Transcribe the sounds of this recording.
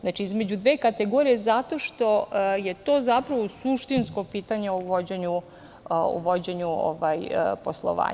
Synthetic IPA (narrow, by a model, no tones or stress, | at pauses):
znat͡ʃiizme̞d͡ʑud̪ʋekat̪eɡoːɾijezat̪o̞ʃt̪o̞je̞t̪o̞ːzapɾaʋosuʃt̪insko̞piːt̪aɲeuʋo̞d͡ʑeɲu | ṵʋo̞d͡ʑeɲuo̰ʋajposlˠo̰ʋa̰ː